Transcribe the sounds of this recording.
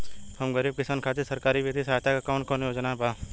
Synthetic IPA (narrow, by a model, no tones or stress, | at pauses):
hɐmɡəɾiːb̚kɪsaːnkʰaːt̪esɐɾkaːɾibet̪isaːjt̪ʰakakɔːnkɔːnjoːd͡ʒnabaː